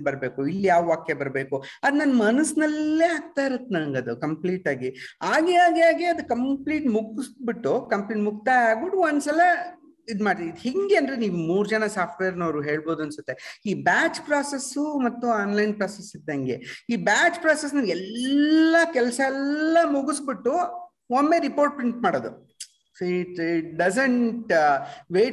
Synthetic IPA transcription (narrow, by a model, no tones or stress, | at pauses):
bɐɾbe̞ːkuilːjaːʋʋaːkjɐbɐɾbe̞ːkuɐd̪nɐnmɐnɐsnɐlːeːaːɡ̚t̪aːiɾut̪ːenaːŋɡɐd̪ukɐmpliːʈaːɡiaːɡɛaːɡaːɡeɐd̪ukɐmpliːʈmuɡsbiʈːukɐmpliːʈmuk̚t̪aːjaːɡ̚biʈːuʋond̪sɐlɐ | id̪maːɽt̪id̪hiŋɡeɐnd̪ɾeniːʋumuːɾd͡ʒɐnɐsaːp̚ʰʈʋeːɾnɐɾuɦe̞ːɭbo̞ːd̪uɐnsɐt̪ːeiːbaːt͡ʃpɾaːsesumɐt̪ːuaːnlɐjnpɾaːsesit̪ːeɐŋɡḛiːbaːt͡ʃpɾaːses̬nɐnɡɛlːɐkɛlsɐɛlːɐmuɡusbiʈːu | omːeɾipoːɾʈ̚pɾiɳʈmaːɽoːd̪ṵ | soiʈiʈ̚ɖɐsɐɳʈʋeː